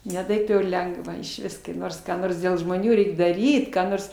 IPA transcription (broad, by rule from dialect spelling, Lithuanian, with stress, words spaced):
nʲɛ ˈtɐɪp jɛʊ ɪr ˈlʲɛŋɡʋɐ ɪʃʲˈʋʲɪs kɐɪ ˈnoːrs kɑː ˈnoːrs dʲeːlˠ ʒmoːˈnʲuː ˈrʲɛɪk dɐˈrʲiːt kɑː ˈnoːrs